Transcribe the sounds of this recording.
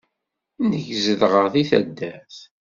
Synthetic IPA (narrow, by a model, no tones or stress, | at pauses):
nəʝzəðʁəʁθiθæ̰d̪ːæθ